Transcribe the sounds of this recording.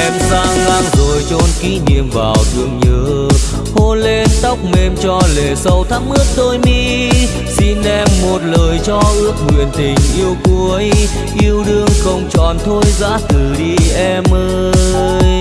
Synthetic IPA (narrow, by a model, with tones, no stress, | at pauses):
ʔɛ˧mzaː˧ŋnaː˧ŋzo˨˩jt͡ɕo˧nki˧˥nḭ˧˨əmvaː˨˩wt̪ɨ̰˨˩əŋɲəː˧˨˦ | ho˧le˧nt̪ə˦˥wk͡p̚me˧mt͡ɕɔ˧le˨˩sə˧wt̪ʰa˧˥m̚ʔɨ˦˥ət̚t̪o˧jmi˧˥ | si˧nʔɛ˧mːo˨˩t̚ləː˨˩jt͡ɕɔ˧ʔɨ˦˥ək̚hwi˨˩ənt̪ï˨˩ŋ̟ʔi˧əwku˧˦əj | ʔi˧əwɗɨ˧əŋxə˧wŋ͡mt͡ɕɔ˨˩nt̪ʰo˧jza̰ː˧˥t̪ʰɨ˨˩ɗi˧ʔɛ˧mʔəː˧jj